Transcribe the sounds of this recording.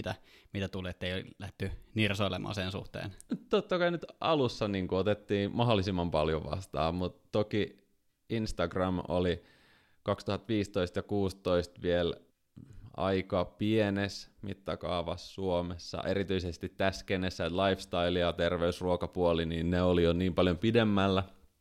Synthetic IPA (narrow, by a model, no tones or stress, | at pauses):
it̪æ | mit̪æt̪uleːt̪ːeiolæht̪ːynirsoilemɑ̰ːsensṵht̪ḛːnt̪ot̪ːɑkɑinyt̪ʔɑlusːɑniːŋkuot̪et̪ːiːmɑɦolːˑisimːɑmpɑljoʋɑ̰st̪ɑ̰ːmut̪toki | inst̪ɑɡrɑmo̰li | kɑkst̪uhɑt̪ʋiːst̪oist̪jɑkuːst̪oist̪ʋiel | ɑ̰ikɑpienesmḭt̪ːɑkɑːʋɑsːuomesːɑ̰ʔeɾit̪yisest̪it̪tæsːkenesːæt̪lɑifst̪ɑilijɑt̪erʋeysruokɑpuoliniːnneolijoniːmpɑljompidemːælːæ